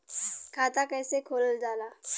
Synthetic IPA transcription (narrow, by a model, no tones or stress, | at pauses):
kʰaːt̪akɛːsekʰoːləld͡ʒaːlaː